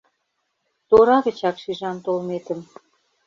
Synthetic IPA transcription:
t̪oɾɑɣə̆t͡ɕɑkʃiʒɑnt̪olmet̪ə̆m

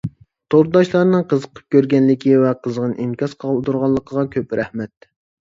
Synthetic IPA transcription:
t̪ʰoɾd̪ɑʃlˠɑɾnɨŋqəzəqʰə̥p̚kʲøɾɡʲɛnlɪkʲʰivɛqʰəzʁənɨʔimkʲɑsqʰɑd̪uɾʁɑlˠːəqʰəʁɑkʲʰøpɾʔɛhmɛt̪̚

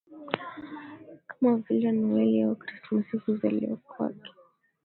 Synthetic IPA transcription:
kamavilɛniwɛlɛɔkɾismasiziza̰lḭɔkwa̰kɛ̥

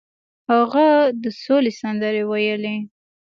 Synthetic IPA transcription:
haɣad̪əsolesand̪əɾewajəle

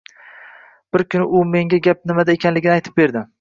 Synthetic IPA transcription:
b̥ɪɾkʲʰʊnɪʊme̞ŋɡʲaɡʲap̚nɪmad̪aekʲʰanlɪɡʲɪnɪajt̪ʰɪ̥p̚be̞ɾd̪ɪ

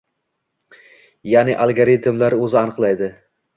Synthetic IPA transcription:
janɪʔalˠɡaɾit̪mlaɾɵzɪanɨqlˠajd̪ɪ

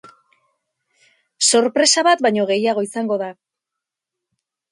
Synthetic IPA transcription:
so̞ɾpɾe̞saβat̪bajɲo̞ɣ̞e̞jaɣ̞o̞isaŋɡo̞ða

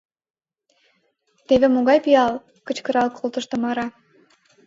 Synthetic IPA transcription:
t̪eβĕmoɣɑjpiɑl | kə̆t͡ɕkə̆ɾɑlkʰolˠt̪ə̆ʃt̪ə̆mɑɾɑ

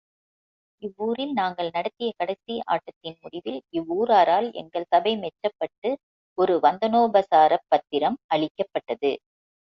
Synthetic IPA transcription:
ɪʋːuːɾɪlnaːŋɡɐɭnɐɽɐt̪ːɪjɐkɐɽɐɪsɪa̰ːʈːɐt̪ːɪnmʊɽɪʋɪlɪʋːuːɾaːɾaːlɛ̰ŋɡɐɭsɐbɐɪmɛt͡ʃːɐpːɐʈːɯ | ɔɾɯʋɐnd̪ɐnoːbɐsaːɾɐpːɐt̪ːɪɾɐmɐɭɪkːɐpːɐʈːɐðɯ̰

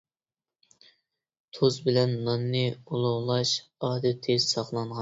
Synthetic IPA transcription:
t̪ʰozbɪlɛnːɑnːɨulˠʊʁlˠɑʃɑːd̪ɛt̪ʰɪsɑχlˠɑnʁɑ

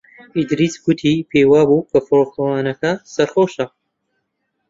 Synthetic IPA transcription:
id̪ɾisɡʊt̪ʰipʰeːjwaːbuːkʰɐfɾokɐwaːnɐkɐsɐɾχoːʃɐ

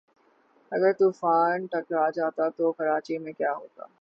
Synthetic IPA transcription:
ɐɡəɾt̪uːfaːnʈɐkɾad͡ʒaːt̪at̪okɐɾaːt͡ʃimẽkjaːɦoːt̪a̰ː

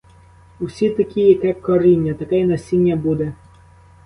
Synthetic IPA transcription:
usʲit̪ɐkʲijɐkɛkɔɾinʲːɐt̪ɐkɛjnɐsʲinʲːɐbud̪ɛ

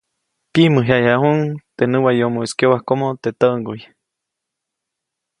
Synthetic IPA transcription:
piməɦjajaʔhuŋt̪enɨwajomoeskjowahkomot̪et̪əʔŋɡuj

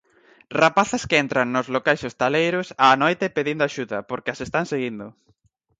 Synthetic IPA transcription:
rapaθaskeɛnt̪ɾaŋnozlokajsost̪alejɾʊsaːnojt̪epeðind̪oaʃuðɐpoɾkeasest̪aŋseɣind̪ʊ

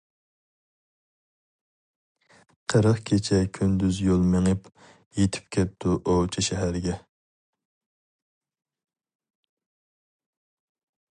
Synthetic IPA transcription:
qʰəɾəχkʲʰet͡ʃʰɛkʲʰynd̪yzjolˠmeŋəp | jet̪ʰy̥p̚kʲʰɛp̚t̪ʰuʔot͡ʃʰiʃɛɦæɾɡʲɛ

